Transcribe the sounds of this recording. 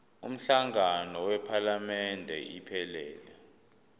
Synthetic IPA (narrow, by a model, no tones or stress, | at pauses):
ṵm̩ɬaŋanɔwɛpʰalamɛndʱɛ̰ʔḭpʰɛlɛːlɛ